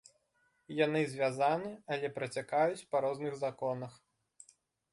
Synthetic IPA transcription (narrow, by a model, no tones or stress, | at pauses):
janɨzʲvʲazanɨɐlʲɛpɾɐt͡sʲakajut͡sʲpɐɾɔznɨɣzakɔnɐx